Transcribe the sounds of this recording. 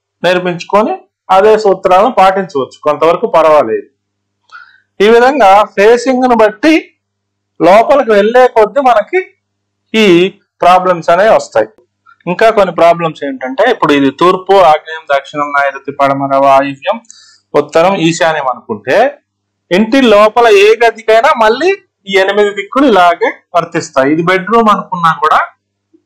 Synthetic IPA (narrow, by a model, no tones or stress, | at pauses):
niɾmiɲt͡ʃu̥koni | ad̪ɛːsɐut̪ːɐɾaːlɐnupaːʈiɲt͡ʃuʋɐt͡ʃːu̥kont̪ɐʋɐɾɐkupɐɾɐʋaːleːd̪u | iːʋid̪ʱɐŋɡaːpʰe̞ːsiŋɡunubɐʈːi | lɔːpɐlɐk̬uʋe̞ɭːɛːkod̪ːimɐnɐki | iː | pɾaːblɐmsɐneːʋɐst̪aːji | iŋkaːkonːipɾaːblɐmseːɳʈɐɳʈe̞ːipːuɽuid̪it̪uːɾpuaːɡɐjɐmd̪ɐkʂiɳɐmnaːjɐɾɐt̪ːipɐɽɐmɐɾɐʋaːjiʋjɐm | ut̪ːɐɾɐmiːʃaːnjɐmɐnukuɳʈe̞ː | eɳʈilɔːpɐlɐeːɡɐd̪ikɐjnaːmɐɭːiː | iːenimid̪ipikːuluilaːɡeːʋɐɾt̪ist̪aːjiid̪ibe̞ɖɾuːmɐnukunːaːkuːɽaː